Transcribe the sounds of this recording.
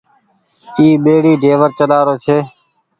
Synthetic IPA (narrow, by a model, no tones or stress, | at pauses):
iːɓeːɽiːɖʱeːʋəɾt͡ʃəlaːɾoːt͡ʃʰeː